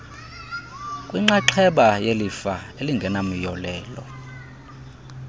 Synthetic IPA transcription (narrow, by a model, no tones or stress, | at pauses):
kʼwiŋ͡ǃaǃʰɛɓajelifa | eliŋɡʱɛnam̩jɔlɛːlɔ̰